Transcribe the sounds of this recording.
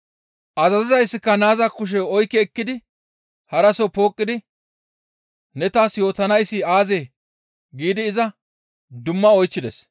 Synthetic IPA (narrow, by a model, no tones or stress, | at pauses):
ʔɐzɐzɪzɐjsːɪkːɐnaːzakːʊʃ̬ɛɔjkːɛːkːɪd̪ɪ | hɐɾɐsɔpo̞ːkʼːɪd̪ɪ | nɛt̪aːsjo̞ːt̪ɐnɐjsːɪaːzeː | ɡiːd̪ɪːzɐ | d̪ʊmːɐɔjt͡ʃːɪd̪ɛs